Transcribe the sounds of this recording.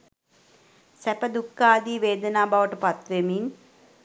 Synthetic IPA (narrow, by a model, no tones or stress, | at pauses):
sɛpəd̪ukːaːd̪iːʋeːd̪ənaːbaʋəʈəpat̪ʋemin